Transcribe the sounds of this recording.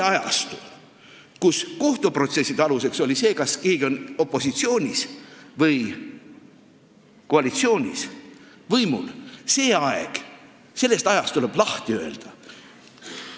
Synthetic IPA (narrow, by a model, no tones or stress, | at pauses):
ɑjɑ̰st̪u | kusko̞ht̪upro̞t̪se̞sːid̪eɑluse̞kso̞lʲise̞ːkɑskeːɡ̥io̞no̞pːˑo̞sit̪sio̞ːnʲisvɤj | ko̞ɑlit̪sio̞ːnʲḭs | vɤjmṵlse̞ːɑḛɡ̥ | se̞lːe̞st̪ɑjɑst̪t̪ule̞b̥lɑht̪iø̞e̞̰ld̪̥ɑ